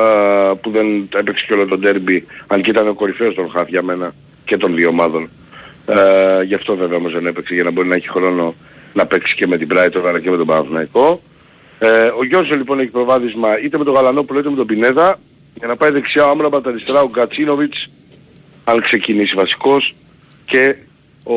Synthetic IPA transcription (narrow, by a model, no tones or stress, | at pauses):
puðe̞nepekseceo̞lot̪o̞d̪e̞ɾbiɐncit̪ɐneo̞ko̞ɾife̞ost̪o̞nxɐθʝɐme̞nɐ | ce̞t̪o̞nðio̞mɐðo̞n | ʝɐft̪o̞ve̞veɐomo̞zðe̞ne̞pekseʝɐnɐbo̞ɾinɐeçi̥xɾo̞no̞ | nɐpe̞ksi̥ce̞me̞t̪ibɾɐjt̪oɾɐlɐceme̞t̪obɐnɐvnɐiko̞ | o̞ʝo̞nsonlipo̞ne̞çi̥pɾo̞vɐθizmɐit̪e̞me̞t̪o̞ɣɐlɐno̞ploit̪eme̞t̪obine̞ðɐ | ʝɐnɐpɐiðe̞ksiɐoɐmɾɐmɐt̪ɐɾist̪e̞ɾɐoɡɐt͡sino̞vit͡s | ɐnkse̞cinisivɐsi̥ko̞s | ce̞ | o